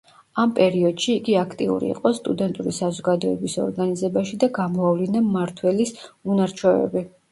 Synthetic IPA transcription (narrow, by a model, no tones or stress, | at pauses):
ampʼɛɾiɔd̪̥ʃiːɡiakʰt̪ʼiṵɾḭːqʼɔst̪ʼud̪ɛnt̪ʼuɾisazɔɡad̪ɔɛ̰bisɔ̰ɾɡanizɛbaʃid̪aɡamɔavlinamaɾt̪ʰwɛlisunaɾt͡ʃʰwɔɛ̰bi